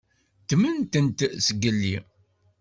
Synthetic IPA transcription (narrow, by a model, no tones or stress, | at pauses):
t̪mənt̪ənt̪səɡəlːḭ